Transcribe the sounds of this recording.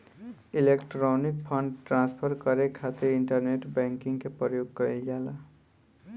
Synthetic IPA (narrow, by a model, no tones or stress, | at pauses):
ilekʈɾonik̚pʰʌɳɖʈrãnspʰʌrkʌɾekʰat̪eiɳʈʌrneʈbaŋkiŋkepʌɾjoɡkʌild͡ʒala